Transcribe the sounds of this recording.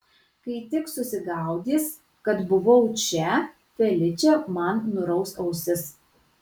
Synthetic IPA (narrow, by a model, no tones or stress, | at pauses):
kɐɪt̪ʲɪksʊsʲɪɡɑˑʊd̪ʲiːs | kɐt̪bʊʋɐʊt͡ʃʲɛ | fʲɛlʲɪt͡ʃʲɛmɐnnʊɾɐʊsɐʊsʲɪs